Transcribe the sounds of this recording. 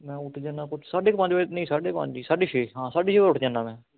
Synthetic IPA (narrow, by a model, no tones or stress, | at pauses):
mɛ̃ːʊʈʰd͡ʒãːnaːkʊt͡ʃʰsaːɖeːkpə̃ɲd͡ʒʋaːd͡ʒt̪nəĩːsaːɖeːkpə̰̃ɲd͡ʒiːsaːɖiːʃeːɦãːsaːɖiːʃeːʋaʊʈʰd͡ʒãːnaːmɛ̃ː